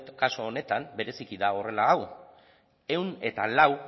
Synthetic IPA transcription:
t̪kasoːne̞t̪ambe̞ɾe̞sikiðao̞re̞laːw | e̞wne̞t̪alaw

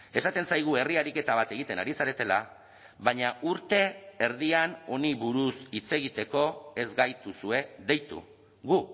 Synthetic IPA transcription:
e̞sat̪e̞nsajɣ̞ue̞riaɾike̞t̪aβat̪e̞ɣ̞it̪e̞na̰ɾisaɾe̞t̪e̞la | βaɲauɾt̪e̞ːɾð̞iano̞niβuɾusit͡se̞ɣit̪e̞ko̞e̞zɡajt̪usue̞ðe̞jt̪ṵ | ɣu

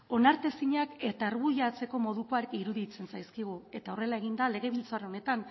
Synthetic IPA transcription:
o̞naɾt̪e̞siɲake̞t̪aːɾɣujat͡se̞ko̞mo̞ðuko̞aɾekiɾuðit͡se̞nsajskiɣ̞ue̞t̪ao̞re̞lae̞ɣind̪ale̞ɣ̞e̞β̞ilt͡soareone̞t̪an

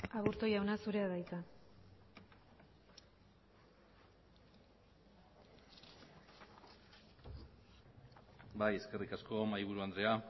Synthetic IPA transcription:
aβuɾt̪o̞jawnasuɾe̞aðajt͡s̪a | bajeske̞rikasko̞majβ̞uɾuand̪ɾe̞a

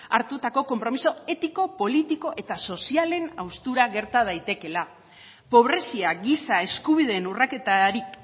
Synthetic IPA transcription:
aɾt̪ut̪ako̞ko̞mpɾo̞miso̞e̞t̪iko̞po̞lit̪iko̞ʔe̞t̪aso̞siale̞nawst̪uɾaɣe̞ɾt̪að̞ajt̪e̞ke̞la | po̞β̞ɾe̞siaɣisae̞skuβiðe̞nurake̞t̪aɾik

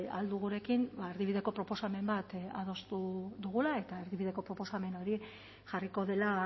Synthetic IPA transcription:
ald̪uɣuɾe̞kinbaeɾðiβiðe̞ko̞pɾo̞po̞same̞mbat̪a̰ð̞o̞st̪uðuɣ̞ulae̞t̪ae̞ɾðiβiðe̞ko̞pɾo̞po̞same̞no̞ɾi | ʝariko̞ðe̞la

